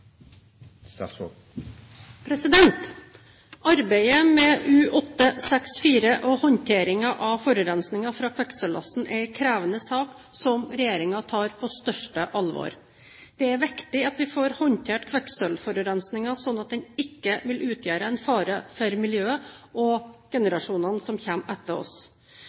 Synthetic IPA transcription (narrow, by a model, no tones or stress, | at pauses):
pʰɾɛsɪd̪ɛnt̪ | ʔɑɾbæɪəmɛʉːʔɔt̪ːəsɛksfiːɾəʔɔhɔnt̪ʰeːɾɪŋɑʔɑʋfɔɾʉɾɛnsnɪŋɑfɾɑːkʰʋɛksəlɑ̰sn̩ʔæɪkʰɾæːʋənəsɑːk | sɔmɾɛjeːɾɪŋɑt̪ʰɑːɾpʰɔst̪œʂʈəʔɑlʋo̰ːɾ | d̪̥ɛæɾʋɪkt̪ɪɑt̪ʋɪfoːɾhɔnt̪ʰeːʈkʰʋɛksəlfɔɾʉɾɛnsnɪŋɑsɔnːɑt̪̚d̪ɛnɪkːəʋɪlʔʉːt̪ʰjæːɾəɛnfɑːɾəfɔɾmɪljøːəʔɔɡ̥ɛnəɾɑʂuːnɑnsɔmçɛmːɛt̪ːəɾɔ̰s